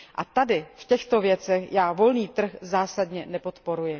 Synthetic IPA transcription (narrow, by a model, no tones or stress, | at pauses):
ʔat̪adɪfcɛxt̪o̞vjɛt͡sɛxjaːvo̞lniːt̪r̩xzaːsadɲɛnɛpo̞t̪po̞ɾujɪ